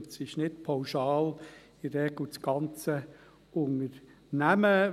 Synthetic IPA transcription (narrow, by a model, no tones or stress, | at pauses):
tsɪʃnɪtpʰaʊʃɑːl | ɪɾɛɡ̥lut͡sɡ̥ɑnt͡sə | ʊŋəɾ | næmə